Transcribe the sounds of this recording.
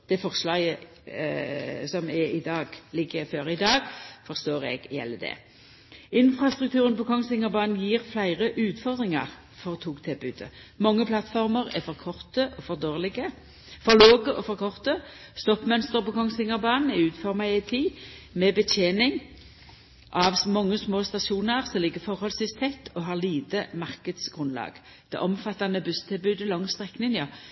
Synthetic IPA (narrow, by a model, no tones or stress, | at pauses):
d̪̥ɛfɔʁslɑːjə | sɔmɛɪd̪ɑːɡlɪɡːəføːʁɪd̪ɑːɡfɔʁst̪oːʁɛ̰ɡjɛ̰lːəd̪ɛ̰ | ɪnfɾɑst̪ʁʉk̚t̪ʰʉːʁənpɔkʰɔŋsɪŋəʁbɑːnn̩jiːʁflæɪʁəʔʉːt̪fɔʁd̪ʁɪŋə̰ʁ | fɔʁt̪ʰuːkt̪ʰɪlbʉːd̪ə̰mɔŋːəpʰlɑt̪fɔʁməʁɛfɔʁkʰɔʁt̪əʔɔfɔʁd̪oːʁlɪɡə | fɔʁloːɡəʔɔfɔʁkʰɔʁt̪ə | st̪ɔpːmœnst̪əʁbɔkʰɔŋsɪŋəʁbɑːnn̩ɛʉːt̪fɔʁmɑæɪt̪ʰiːmɛbət̪ʰjeːnɪŋ | ʔɑʋsmɔŋːəsmoːst̪ɑʃuːnəʁsɔlɪɡːəfɔʁhɔlsʋɪst̪ʰɛt̪ːɔɦɑːʁliːt̪əmɑʁkəd̪sɡ̥ʁʉnlɑ̰ːɡ̥ | d̪̥ɛ̰ʔɔmfɑt̪ːɑnəbʉst̪ʰɪlbʉːd̪əlɔŋst̪ʁɛknɪŋjɑː